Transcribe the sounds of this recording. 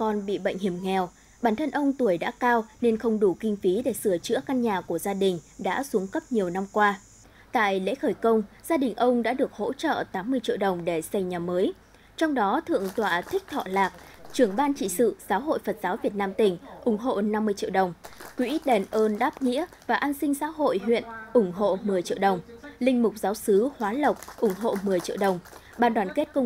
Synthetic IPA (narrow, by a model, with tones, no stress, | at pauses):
kɔ˨˩nɓḭ˧˨ɓə̰˧˨ŋ̟hi˧˩əmŋɛ˨˩w | ɓaː˧˩nt̪ʰə˧nʔə˧wŋ͡mt̪u˨˩əjɗa̰ː˧˥kaː˧wne˧nxə˧wŋ͡mɗu˧˩kï˧ŋ̟fi˨˦ɗe˧˩sɨ˧˩ət͡ɕɨ̰˧˥əka˧nɲaː˨˩ku˧˩əzaː˧ɗï˨˩ŋ̟ɗa̰ː˧˥su˨˦əŋkə˦˥p̚ɲi˨˩əwna˧mkwaː˧ | t̪a̰ː˧˨jlḛ˧˥xəː˧˩jkə˧wŋ͡mz̥aː˧ɗï˨˩ŋ̟ʔə˧wŋ͡mɗa̰ː˧˥ɗɨ˨˩ək̚ho̰˧˥t͡ɕə̰ː˧˨t̪aː˨˦mːɨ˧əjt͡ɕḭ˧˨əwɗə˨˩wŋ͡mɗe˧˩sa˧jɲaː˨˩məː˨˦j | t͡ɕɔ˧wŋ͡mɗɔ˨˦t̪ʰɨ̰˧˨əŋt̪wa̰ː˧˨˩t̪ʰï˦˥k̚t̪ʰɔ̰˧˨laː˨˩k̚t͡ɕɨ˧˩əŋɓaː˧nt͡ɕḭ˧˨sɨ̰˧˨zaː˨˦wɦo̰˧˨jfə˨˩t̚z̥aː˨˦wvi˨˩ət̚naː˧mt̪ï˨˩ŋ̟ʔʊ˧˩ŋ͡mɦo̰˧˨na˧mːɨ˧əjt͡ɕḭ˧˨əwɗə˨˩wŋ͡mkwi˨˧˦ʔi˦˥t̚ɗe˨˩nʔəː˧nɗaː˦˥p̚ŋḭ˧˥ə | vaː˨˩ʔaː˧nsï˧ŋ̟sa̰ː˧˥ɦo̰˧˨jɦwḭ˧˨ənʔʊ˧˩ŋ͡mɦo̰˧˨mɨ˨˩əjt͡ɕḭ˧˨əwɗə˨˩wŋ͡mlï˧ŋ̟mʊ˨˩k͡p̚zaː˨˦wsɨ˨˦hwaː˨˦lə˨˩wk͡p̚ʔʊ˧˩ŋ͡mɦo̰˧˨mɨ˨˩əjt͡ɕḭ˧əwɗə˨˩wŋ͡m | ɓaː˧˩nɗwaː˨˩nke˦˥t̚kʊ˧